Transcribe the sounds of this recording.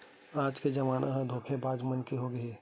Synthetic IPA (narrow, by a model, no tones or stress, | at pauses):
aːd͡ʒked͡ʒɐʋaːnʔaɦd̪ʱoːkʰebaːd͡ʒmənkiɦoɡɐiː